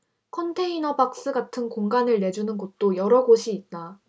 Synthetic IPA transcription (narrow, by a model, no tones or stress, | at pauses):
kʰʌntʰe̞inʌbak̚s͈ɯɡatʰɯnkoŋɡanɯɭne̞d͡ʑunɯnɡʌt̚t͈ojʌɾʌɡoɕʰiːt̚t͈a